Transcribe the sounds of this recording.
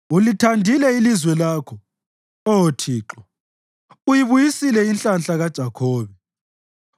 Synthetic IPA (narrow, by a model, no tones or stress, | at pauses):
ulitʰandʱilɛilizwɛlaːkʰɔ | ɔotʰiːǁɔ | ujiβujisilɛinɬanɬaɣad̥ʒ̥ʱakʰɔːβɛ